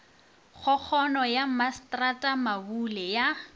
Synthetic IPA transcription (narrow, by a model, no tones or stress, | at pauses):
χʰɔk͡xʰɔnɔjamastratʼamabulɛja